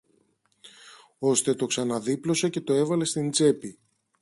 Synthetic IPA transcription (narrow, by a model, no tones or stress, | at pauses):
o̞st̪e̞t̪o̞ksɐnɐðiplo̞sece̞t̪o̞e̞vɐle̞st̪ind͡ze̞pi